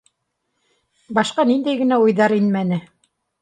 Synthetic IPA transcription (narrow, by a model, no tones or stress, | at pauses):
bɑʃqɑnind̪æjɡɘ̆næujðɑɾinmænɘ